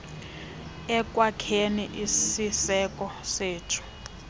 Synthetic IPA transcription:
ɛkʼwakʰeniʔisisɛkʼɔseːtʰu̥

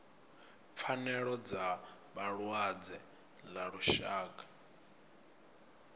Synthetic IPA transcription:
p̪fʰanɛɺɔd͡za | βaɺwad͡zɛ | laɺuʃaːkʼa

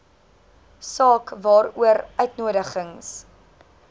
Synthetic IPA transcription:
sɑːkvɑːɾuəɾʔœɥtnuəɾəχəŋs

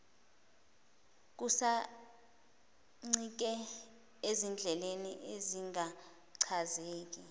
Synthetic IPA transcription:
k̬usa | ŋ͡ǀik̬ɛ | ezind͡ɮʱɛleniʔeziŋa | ǀʰazeːk̬ʼi

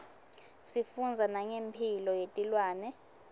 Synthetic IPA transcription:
sifund͡zʱanaŋempʰilɔjetʼilwaːnɛ

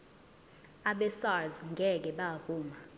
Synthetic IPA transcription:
aɓɛsazŋɡʱɛk̬ɛɓavuːma

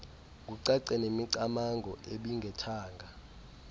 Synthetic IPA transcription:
k̬uǀɛǀɛnemiǀamaŋʱɔʔeɓiŋɡʱɛtʰaːŋɡʱa

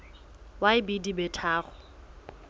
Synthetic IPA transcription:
waɪbidibɛtʰaːχʊ

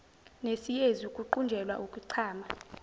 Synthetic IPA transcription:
nesijezukʼuǃund͡ʒʱɛlwa̰ʔukʼuǀʰaːma

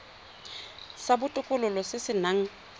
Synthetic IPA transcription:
sabʊtʼʊkʼʊlʊlɔsɪsɪnaŋ̩

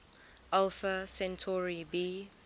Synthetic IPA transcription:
ʔalfəsɛ̃ntʰɔɹibiː

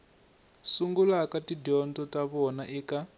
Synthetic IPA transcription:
suŋɡulakatidɔntɔtaβɔnaʔika

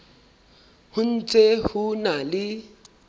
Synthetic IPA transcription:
hʊn̩t͡sʼehʊnalɪ

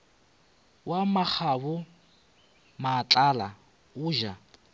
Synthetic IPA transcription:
wamak͡xʰaβʊ | mat͡ɬʼala | ʊːʒa

